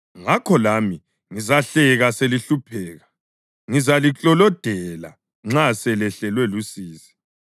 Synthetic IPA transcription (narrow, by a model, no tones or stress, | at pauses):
ŋakʰɔlami | ŋizaɬɛɣaseliɬupʰɛːɣa | ŋizalit͡ɬʼɔlɔd̥ʱɛla̰ | ŋ͡ǁasɛlɛɬɛlwɛlusiːsi̥